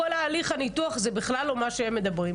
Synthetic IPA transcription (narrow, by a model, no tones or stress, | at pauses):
olaːliχanituaχzebiχlalomaʃeemːed̪abʁi